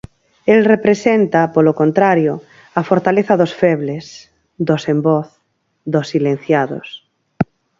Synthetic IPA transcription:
elrepɾesent̪apolokõnt̪ɾaɾjo | afoɾt̪aleθaðosfeβles | d̪osemboθ | d̪osːilen̟θjaðo̰s

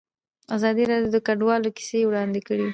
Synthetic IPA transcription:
azɑd̪iɾɑɖjod̪əkaɖwɑloki̥sewɽɑnd̪ekəɽe

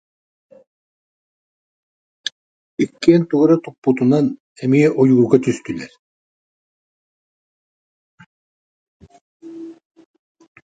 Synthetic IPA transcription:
ikːiɛːnt̪uɡuɾat̪upːut̪unan | ɛmiɛʔujuɡuɾɡat̪yst̪ylɛɾ

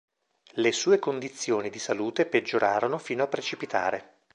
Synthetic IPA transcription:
lesuːekond̪it̪sːjoːnid̪isaluːt̪eped͡ʒːoɾʔaːɾonofiːnoapːɾet͡ʃipit̪a̰ːɾe

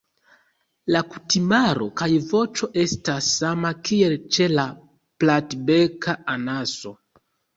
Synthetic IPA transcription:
lakutimaɾo̞̰kajvo̞t͡ʃo̞ʔe̞stasːamakie̞lt͡ʃe̞la | platbekaanaso̞

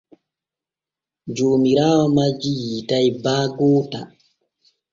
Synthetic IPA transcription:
d͡ʒoːmiɾaːwamad͡ʒijitajbaːɡɔːta

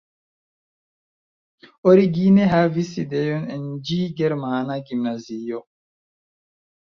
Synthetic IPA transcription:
oɾiɡineɦaviside̞jonend͡ʒiɡeɾmanaɡimnazio

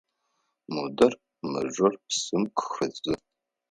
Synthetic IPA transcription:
modɐr | mɐ̰ʒʷɐrpsɨmkʰʷxɨzɨ

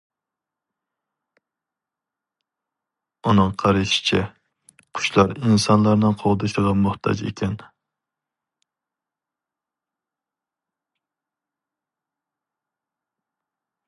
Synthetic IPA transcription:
unɨŋqʰɑɾɨʃi̥t͡ʃʰɛ | qʰʊ̥ʃlˠɑɾinsɑnlˠɑɾnɨqʰoʁd̪ɨʃəʁɑmʊχt̪ʰɑ̰d͡ʒḛkʲɛn

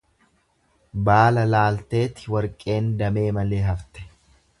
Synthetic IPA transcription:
baːlɐlaːlt̪e̞ːt̪ɪ̥wɐɾkʼe̞ːnd̪ɐme̞ːmɐle̞ːɦɐft̪ɛ̥

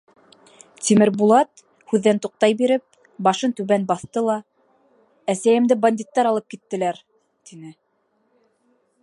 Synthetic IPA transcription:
t̪ʲimɘɾbulˠɑt̪ | hʉðːænt̪uq̚t̪ɑjbiɾɘp̚ | bɑʃɤnt̪ʉβænbɑθt̪ɤlˠɑ | æsæjɘ̆md̪ɘbanʲd̪ʲit̪ːɑɾɑlˠɤp̚kit̪ːɘ̆læɾ | t̪inɘ

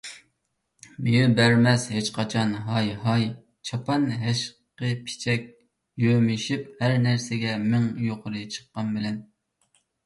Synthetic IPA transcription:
mejybæɾmɛshet͡ʃqʰɑt͡ʃʰɑnɦɑjɦɑj | t͡ʃʰɑpʰɑnɦɛʃ | qəpʰi̥t͡ʃʰɛkʲ | jømɪʃiphæɾnæɾsɪɡʲɛmɪŋjoqʰʊɾɨt͡ʃʰə̥qːɑnbɪlɛn

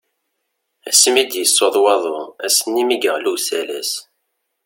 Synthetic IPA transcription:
æ̰simid̪jəsːoðˤwɑðˤoæsənːimiɡəʁlusælæs

